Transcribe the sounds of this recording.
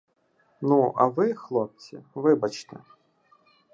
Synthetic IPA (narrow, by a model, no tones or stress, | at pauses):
nuɐ̰ʋɪxlˠɔp̚t͡sʲḭʋɪbɐt͡ʃt̪ɪ̰